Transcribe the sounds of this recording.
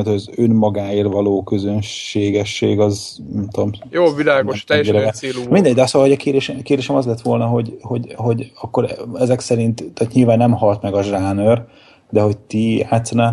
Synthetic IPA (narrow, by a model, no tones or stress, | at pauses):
nt̪hojɒzønmɒɡaːeːrvɒloːkø̞zønʃeːɡɛʃːeːɡɒz | nɛmt̪uomjoːvilaːɡoʃɛɛɛɛlumind̪ɛɟd̪ɛsolhoɟɒkeːrd̪eːʃɛkeːrd̪eːʃɛmɒzlɛt̪ʋo̞lnɒɦo̞ɟho̞ɟɦo̞ɟɒkːo̞ɾɛzɛksɛɾint̪t̪at̪ɲilvaːnːɛmhɒlt̪mɛɡɒʒaːnør | d̪ɛɦo̞c̚t̪ijaːt̪sɒna